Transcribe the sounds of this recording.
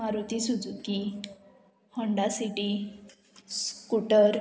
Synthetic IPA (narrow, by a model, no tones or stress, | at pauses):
aɾut̪isud͡zuki | həɳɖasiʈi | skuʈəɾ